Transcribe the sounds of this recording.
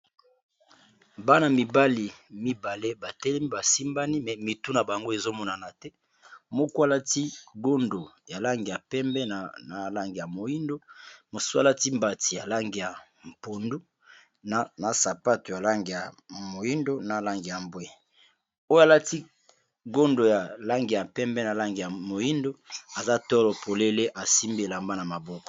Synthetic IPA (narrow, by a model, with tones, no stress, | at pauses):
ba˦na˨mi˨ba˦li˨mi˦ba˨le˦ba˨tɛ˦lɛ˦mi˦ba˨si˦mba˦ni˦mɛ˨mi˨tu˦na˨ba˨ŋɡo˦e˨zo˦mɔ˦na˨na˨tɛ˦ | mo˦kwa˦la˦ti˦ɡo˦ndo˨ja˨la˦ŋɡi˨ja˨pɛ˦mbɛ˦n˨na˨la˦ŋɡi˨ja˨mo˨ji˦ndo˦mo˨su˦a̰˦la˦ti˦mba˨ti˨ja˨la˦ŋɡi˨ja˨ | m˨po˨ndu˦ | n˨na˨sa˨pa˦to˨ja˨la˦ŋɡi˨ja˨ | mo˨ji˦ndo˦na˨la˦ŋɡi˨ja˨mbwe˨ | o˦ja˨la˦ti˦ | ɡo˦ndo˨ja˨la˦ŋɡi˨a˨pɛ˦mbɛ˦na˨la˦ŋɡi˨ja˨mo˨ji˦ndo˦a˨za˦tɔ˦lɔ˨pʰo˨le˦le˦ʔa˨si˦mbe˨la˨mba˦na˨ma˨bɔ˦kɔ̥˨